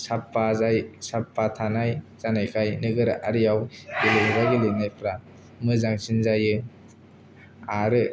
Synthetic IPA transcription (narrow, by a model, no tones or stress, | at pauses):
sapːazajsapːatʰanajz̥anajkʰajnɯɡɯɾa̰ʔaɾijawɡiluŋzaɡilɯnajpʰɾa | mɯzaŋsinzajɯ | aɾɯ